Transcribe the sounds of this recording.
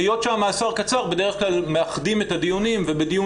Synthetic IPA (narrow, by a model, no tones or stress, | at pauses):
jo̞tʃaamːaːsaʁkat͡saʁbedeeχklalmeaχdimetadijunimvebediju